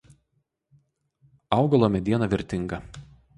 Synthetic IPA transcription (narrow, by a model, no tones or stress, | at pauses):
ɐˑʊɡɐlˠoːmʲɛd̪ʲiɛnɐʋʲɪɾʲt̪ʲɪŋɡɐ